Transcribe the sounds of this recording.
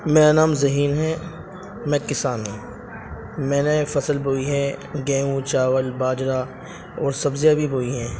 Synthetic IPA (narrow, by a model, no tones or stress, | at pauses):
meːɾanaːmzɐɦiːnɦɛ | mɛ̃ːkɪsaːni | mɛ̃ːnefɐsəlboːiɦɛ̃ɡẽːũt͡ʃaːʋəlbaːd͡ʒɾa | ɔːɾsɐbzjabʱiboːiɦɛ̃ː